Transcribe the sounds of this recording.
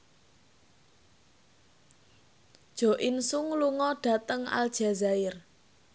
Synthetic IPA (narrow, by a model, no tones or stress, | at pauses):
d̥ʒ̥o̤ʔɪnsʊŋluŋɔɖ̥a̤t̪əŋa̰ld̥ʒ̥a̤zaɪr